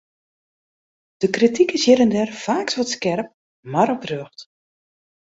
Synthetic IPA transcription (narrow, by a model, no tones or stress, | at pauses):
d̥əkritikəsjɪɾəndɛrfaːksʋɔtskɛrp̚ | maɾɔprøxt